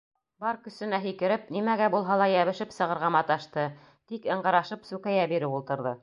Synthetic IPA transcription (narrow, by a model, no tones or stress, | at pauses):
bɑɾkɵ̆sɘ̆næɦikɘ̆ɾɘp̚nimæɡæbulˠɦɑlˠɑjæβɘ̆ʃɘpsɤ̆ʁɤ̆ɾʁɑmɑt̪ɑʃt̪ɤ | t̪ikɤ̆ɴɢɑɾɑʃɤpsʉkæjæbiɾɘpulˠt̪ɤ̆ɾðɤ